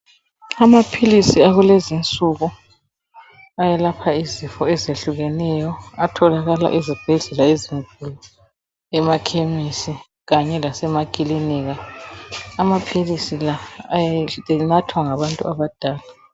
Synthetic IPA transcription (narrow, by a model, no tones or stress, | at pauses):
amapʰilisiaɣulezint͡sʼuɣu | ajɛlapʰaizifɔɛzeɬuɣɛnɛjɔatʰɔlaɣala̰ʔezib̥ʱɛɮɛlaiziŋkʼulu | ɛmakʰemisi | ɣaɲɛlasɛmakʼiliniɣaː | mapʰilisilajɛɛnatʰwaŋaβantʼṵaβad̥ʱaːla